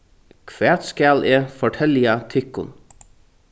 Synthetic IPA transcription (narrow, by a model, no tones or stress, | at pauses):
kʰʋæːt̪skæːlʔeːfɔʈʰɛlɪɑt̪ʰʏkʊ̰n